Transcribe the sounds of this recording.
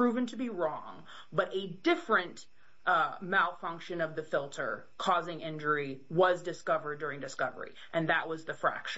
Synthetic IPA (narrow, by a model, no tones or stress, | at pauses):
ɹ̥ʉvɨ̃ntʰɨbiɹɔ̃ŋ | bʌɾʔɨdɪfɹɨ̃n | malˠfʌ̃ŋkʃɨ̃nʌvðɨfɪlˠtʰə̰˞ | kʰɔzɪ̃ŋɪ̃nd͡ʒə˞iwʌzdɨskʌvə˞dʊɹɪ̃ŋdɨskʌvə̰˞ḭ | ʔɨ̃nðəʔ̚wʌzðɨfɹæ̰kʃ